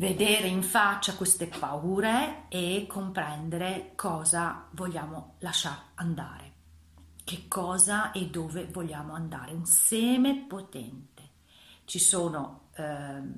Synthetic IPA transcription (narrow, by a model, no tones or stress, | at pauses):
ved̪eːɾeiɱfat͡ʃːakwest̪epauːɾeːkʰːompɾɛnd̪eɾekʰɔːzavoʎːaːmolaʃaɾand̪a̰ːɾe | k̟ekːɔːzaɛd̪ːoːvevoʎːaːmoand̪a̰ːɾeunsɛːmepot̪ɛ̰nt̪e | t͡ʃisoːno